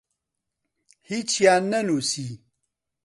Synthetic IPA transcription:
hit͡ʃianːɐnusi

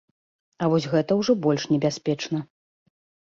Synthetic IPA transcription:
ɐvɔsʲɣɛt̪ɐwʐɔbɔlʲʂnʲɛbʲasʲpʲɛt͡ʂnɐ

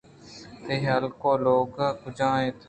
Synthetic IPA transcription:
t̪eəlkoːloːkːkʊd͡ʒãːẽːt̪ʰ

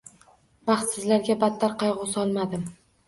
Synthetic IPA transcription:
b̥ɑχt̪sɪzlaɾɡʲabat̪ʰːaɾqʰɑjʁʊsɒlˠmad̪ɪm

